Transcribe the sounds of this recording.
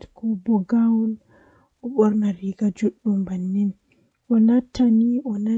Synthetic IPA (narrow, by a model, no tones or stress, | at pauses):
kʰɔbɔɡawl | ʔɔɓɔɾnaɾiɡad͡ʒoɗːumbanːin | ʔɔnatʰːaniʔɔna